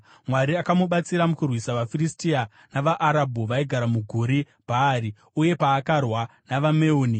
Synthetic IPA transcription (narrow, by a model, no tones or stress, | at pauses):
mwaɾiakamuɓat͡siɾamukurwisaʋafiristia | naʋaʔːɾabʱuʋaiɡʱaɾamuɡʱuɾi | bʱaːɾi | uje̞paːkarwanaʋameoːni